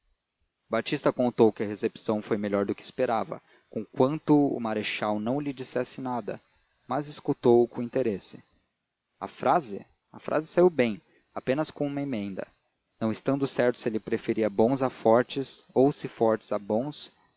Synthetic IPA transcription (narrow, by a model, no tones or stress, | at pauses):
bat͡ʃist̪ɐkõnt̪owkɪɐhesepsɐ̃w̃fojmeʎɔɾd̪ʊkɪːspeɾavɐ̰ | kõkwɐ̃nt̪ʊʊ̰maɾeʃawnɐ̃w̃lɪd͡ʒisɛsɪnad̪ɐ̰ | mɐzɪskut̪owʊkõĩnt̪eɾesɪ̥ | ɐ̰fɾazɪ̰ | ɐfɾʔa̰zɪsaiwbẽj̃ | apẽnɐskõũmɐemẽnd̪ɐ̰ | nɐ̃w̃ɪst̪ɐ̃nd̪ʊsɛɾt̪ʊ̥sɪelɪpɾefeɾiɐbõzafɔɾt͡ʃɪzowsɪfɔɾt͡ʃɪ̥z̥abõw̃s